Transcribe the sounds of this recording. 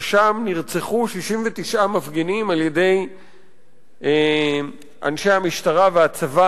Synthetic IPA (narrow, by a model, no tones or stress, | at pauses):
ʃamniʁt͡seχuʃiʃimvet̪iʃʔamafɡenimalje̞de̞j | ʔa̰nʃehamiʃtaʁaveat͡sava